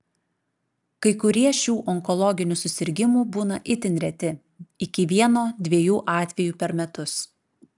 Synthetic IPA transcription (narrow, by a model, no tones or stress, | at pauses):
kɐɪkʊɾʲiɛʃʲuːʔɔŋkɔlˠɔɡʲɪnʲusʊsʲɪɾʲɡʲɪmuːbuːnɐʔɪt̪ʲɪnʲɾʲɛt̪ʲɪ | ɪkʲɪʋʲiɛnoːd̪ʲʋʲiɛjuːʔɑːt̪ʲʋʲɛjuːpʲɛɾmʲɛt̪ʊs